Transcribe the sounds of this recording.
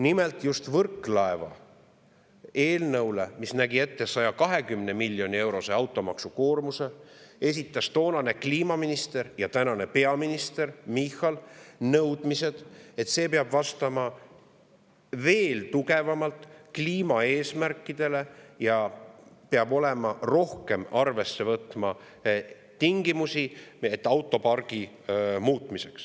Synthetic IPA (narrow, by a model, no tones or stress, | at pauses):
nimelt̪ˑjust̪vɤrkːˑlɑevɑ̰ | e̞ːlnɤwlḛmisnæɡie̞t̪ːe̞sɑjɑkɑɦe̞kymnemilːjo̞nie̞wɾo̞se̞ɑwt̪ːˑo̞mɑ̰ksuko̞ːrmuse̞e̞s̬it̪ːˑɑst̪o̞ːnɑne̞kliːmɑminist̪e̞ɾjɑt̪ænɑne̞pe̞ɑminist̪e̞rmixːɑlnɤwd̪̥mise̞d̪̥et̪se̞ːpeɑb̥vɑst̪ɑmɑ | ve̞ːlt̪uɡe̞vɑmɑlt̪kliːmɑe̞ːsmærkːid̪̥e̞le̞jɑpeɑbo̞lemɑro̞hke̞mɑrve̞sːe̞vɤt̪mɑ | t̪iŋɡimusiet̪ːˑɑwt̪ːˑo̞pɑrɡ̥i | muːt̪ːˑmise̞ks